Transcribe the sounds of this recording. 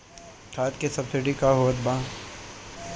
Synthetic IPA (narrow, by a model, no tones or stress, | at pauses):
kʰaːt̪kesɐbsɪɖikaɦoːt̪bãː